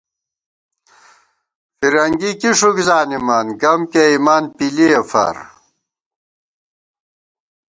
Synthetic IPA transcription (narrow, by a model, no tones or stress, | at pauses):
fiɾɐŋɡikiʂukzaːnimɐnɡɐmkeimaːnpiliɐfɐ̰ɾ